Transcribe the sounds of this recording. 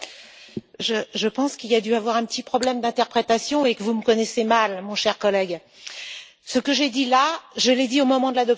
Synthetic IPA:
ʒəʒəpɑ̃skʲiliad̪yavwaʁɛ̃pət̪ipχɔblɛmd̪ɛ̃t̪ɛʁpχet̪asjɔ̃ekəvuməkɔnɛsemalmɔ̃ʃɛʁkɔlɛɡ | səkəʒed̪ilaʒəled̪iomɔmɑ̃d̪əlad̪ɔp̚

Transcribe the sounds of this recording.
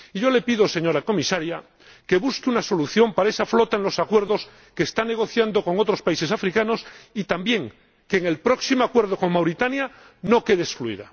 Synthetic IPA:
iʝo̞le̞piðo̞se̞ɲo̞ɾako̞misaɾja | ke̞βuskeunaso̞luθjo̞mpaɾae̞saflo̞t̪aenlo̞sakwe̞ɾðo̞s | keːst̪ane̞ɣ̞oθjand̪o̞ko̞ŋo̞t̪ɾo̞spaise̞safɾikano̞sit̪ambje̞ŋ | keːŋe̞lpɾo̞ksimoakwe̞ɾð̞o̞ko̞ŋmawɾit̪anja | no̞ke̞ðeskluḭða̰

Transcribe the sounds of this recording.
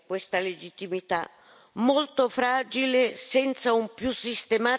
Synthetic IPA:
kwest̪aled͡ʒit̪ːimit̪a | molt̪ofɾaːd͡ʒilesɛnt̪saumpjusːist̪ema

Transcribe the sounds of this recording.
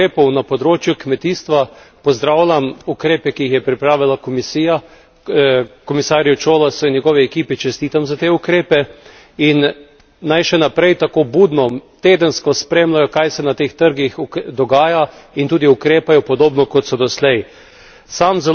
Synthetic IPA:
ɾeːpɔwnapɔd̪ɾoːt͡ʃjukmɛt̪iːst̪ʋa | pɔzd̪ɾawlʲamukɾeːpɛkiixjɛpɾipɾaːʋilakɔmisiːja | kɔmisaːɾjut͡ʃoːlasɔinjɛɡɔːʋɛɛkiːpit͡ʃɛst̪iːt̪amzat̪eːukɾeːpɛ | inː | ajʃɛnapɾɛjt̪akoːbuːd̪nɔt̪eːd̪ənskɔspɾeːmlajɔkajsɛnat̪eːxt̪əɾɡixd̪ɔɡaːjaint̪uːd̪iukɾeːpajɔpɔd̪oːbnɔkɔt̪sɔd̪ɔslɛj | samzɛ

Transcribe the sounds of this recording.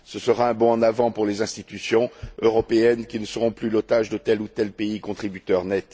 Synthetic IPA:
səsəʁaɛ̃bɔ̃ɑ̃navɑ̃puʁlezɛ̃st̪it̪ysjɔ̃øʁɔpeɛnkʲinəsəʁɔ̃plylot̪aʒd̪ət̪ɛlut̪ɛlpeikɔ̃t̪χibyt̪œʁnɛt̪

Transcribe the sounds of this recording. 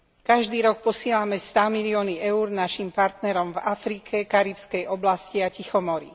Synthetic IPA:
kaʒd̪iːɾɔk̚pɔsɪɛlamɛst̪amiliɔːniʔɛuːɾnaʃimpaɾt̪nɛɾɔmvafɾikʰɛkaɾiwskɛjɔblasciacixɔmɔɾḭ

